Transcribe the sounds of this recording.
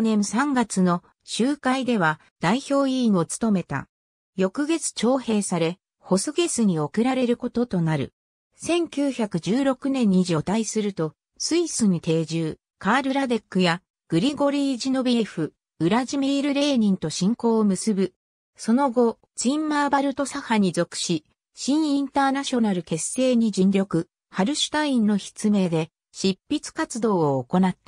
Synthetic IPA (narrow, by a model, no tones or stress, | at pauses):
nẽ̞ɰsãŋɡat͡sɨno̞ | ɕɨːkaid̪e̞β̞a | d̪̥aiço̞ːio̞t͡sɨ̥t̪o̞me̞t̪a̰ | jo̞kɯ̟ɡe̞t͡sɨ̥t͡ɕo̞ːhe̞ːsaɾe̞ | ho̞soɡe̞sɨɲ̟io̞kɯ̟ɾaɾe̞ɾɯ̟ko̞t̪o̞t̪o̞naɾɯ̟̰ | sẽ̞ŋkʲɨːçakɯ̟d͡ʑɨːɾo̞kɯ̟nẽ̞ɲ̟ːiʑo̞ːt̪aisɨɾɯ̟t̪o̞ | sɨisɨɲ̟it̪e̞ːʑɨː | kaːɾɯ̟ɾad̪e̞kːɯja | ɡ̥ɯ̟ɾʲiɡo̞ɾʲiːʑino̞biɸɯ̟ | ɯ̟ɾaʑimiːɾɯ̟ɾe̞ːɲʲĩnt̪o̞ɕĩŋko̞ːomɯ̟sɨbɯ̟ | so̞no̞ɡo̞ | t͡ɕĩmːaːbaɾɯ̟t̪o̞sahaɲ̟izo̞kɯ̟̥ɕi | ɕĩɰ̃ĩnt̪aːnaɕo̞naɾɯ̟ke̞sːe̞ːɲ̟id͡ʑĩnɾʲo̞kɯ̟ | haɾɯ̟ɕi̥t̪aĩnːo̞çi̥t͡sɨme̞ːd̪e̞ | ɕipʲːit͡sɨ̥kat͡sɨd̪o̞ːko̞nat̪ːḁ